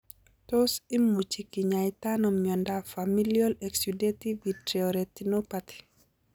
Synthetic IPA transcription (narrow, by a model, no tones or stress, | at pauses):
tosimːut͡ʃikiɲajtanɔmɲɔndafamiliɔlɛksudetivitɾeoɾetinopati̥